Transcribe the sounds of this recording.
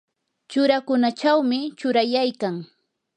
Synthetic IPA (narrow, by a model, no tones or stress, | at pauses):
t͡ʃʊɾakʊnat͡ʃawmɪt͡ʃʊɾajajkaŋ